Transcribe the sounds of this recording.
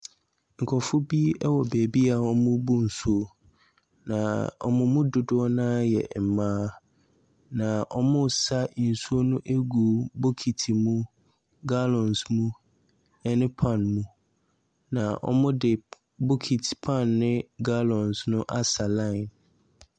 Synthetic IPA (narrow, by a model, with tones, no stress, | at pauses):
ŋ̩˨kʰɔ˨fʊ˦bi˦ɛ˦wɔ˨bæ˨bi˦a˨ɔ˦mʊ̃˦bu˦n̩˨su˦o˦ | nã˨ɔ̰˦mʊ̃˦mʊ̃˦dʊ˨dʊ˦ɔ˦nã˦jɛ̰˨m̩˨mãː˦ | nã˨ʔɔ̰˦mʊ̃˦˨sa˦˨n̩˨su˦o˦nʊ̃˦ʔe˦ɡu˨bo˦kʰi˨tʰi˨mũ˦ | ɡa˦lɔ̃˨nsmũ˦ | ɛ˦nɪ̃˦pʰã˦˨nmũ˦ | nã˨ʔɔ̰˦mʊ̃˦dɪ˨ | bo˦kʰi˨tʰpʰã˦˨nːɪ̃˦ɡa˦lɔ̃˨nsnʊ̃˦ʔa˦sa˨lã˦ɪ̃˨n